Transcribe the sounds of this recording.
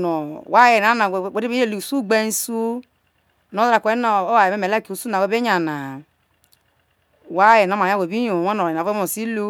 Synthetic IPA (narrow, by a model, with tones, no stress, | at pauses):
no˨wa˦je˨n˨a˨˦a˨we˦e˦be˦o˦˨li˨su˦˨ɡ͡be˦n˦su˦ | no˦ɾa˨kʷe˦no˨o˦wa˨e˨me˦me˨le˦ku˨su˦na˨we˨˦be˦ɲa˨na˨ | wa˦je˨na˨˦ma˨˦we˨bi˦jo˨wa˦no˨e˨a˨˦o˨si˦lu˦